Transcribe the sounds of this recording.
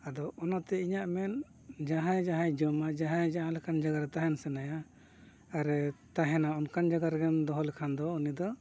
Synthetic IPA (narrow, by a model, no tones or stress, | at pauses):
ad̪ɔɔnɔt̪ɛiɲaʔmɛn | d͡ʒaɦãjd͡ʒaɦãjd͡ʒɔmad͡ʒaɦãjd͡ʒaɦãlɛkʰand͡ʒaɡaɾt̪aɦɛnsɛnajaː | ɾɛt̪aɦɛnaɔnkand͡ʒaɡaɾɡɛnd̪ɔɦɔlɛkʰand̪ɔunid̪ɔ